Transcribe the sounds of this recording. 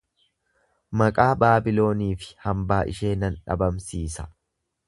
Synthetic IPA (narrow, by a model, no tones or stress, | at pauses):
mɐkʼaːbaːbɪlo̞ːniːfɪ̥hɐmbaːʔɪ̰ʃe̞ːnɐnᶑɐ̰bɐmsiːsɐ